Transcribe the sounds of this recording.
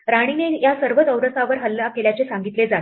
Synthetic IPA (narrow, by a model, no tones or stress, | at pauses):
ɾaɽ̃inejasəɾʋət̪əʋɾət̪aʋəɾɦəlːakeljat͡sesaŋɡit̪led͡zat̪